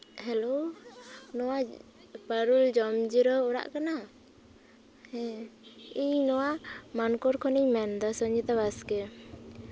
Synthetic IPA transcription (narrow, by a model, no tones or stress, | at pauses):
hɛlo | nɔwa | pəɾuld͡ʒɔmd͡ʒiɾɔɔɾa̰ʔkana | hɛ | iɲnɔwamankɔɾkʰɔniɲmɛnd̪ɔsɔɲd͡ʒɛt̪aβaskɛ